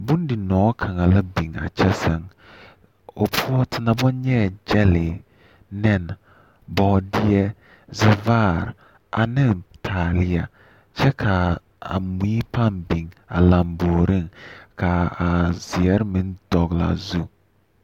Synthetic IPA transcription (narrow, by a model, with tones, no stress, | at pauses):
bu˦n˦dɪ˨nɔː˨˦kʰa˨ŋa˨la˦bi˨ŋa̰˨t͡ʃɛ˦sɛ˦ŋ | o˨pʰu˦ɔ˦tɪ˨na˨bɔ˦nɲɛ˦˨d͡ʒɛ˦lɪ˨ | nɛ˦˨n | bɔ˨˦dɪ˦ɛ˦ | zɪ˨vaː˦˨ɾ | ʔa̰˨nɪ˦ŋtʰaː˨lɪ˦ja˨ | t͡ʃɛ˦kʰa˨ | a̰˨m˨iː˦pa˦˨mbi˨ŋa̰˨la˨mboː˨ɾi˦ŋka˨a˨z̥ɪ˨ɛ˦ɾmi˦nd̥ɔ˨ɣla̰˨zu˦